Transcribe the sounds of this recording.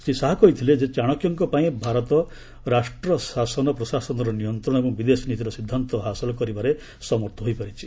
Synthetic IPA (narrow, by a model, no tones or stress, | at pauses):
sisaɦakɔit̪ʰiled͡ʒet͡ʃaɽ̃ɔkjɔŋkɔpaĩbʱaɾɔt̪ɔ | ɾasʈɾɔsasɔnɔpɾɔsasɔnɔɾɔnijɔnt̪ɾɔɽ̃kubid̪esɔnit̪iɾɔsid̪ʱːant̪ɔɦasɔlɔkɔɾibaɾe | sɔmɔɾt̪ʰɔɦojpaɾit͡ʃʰi̥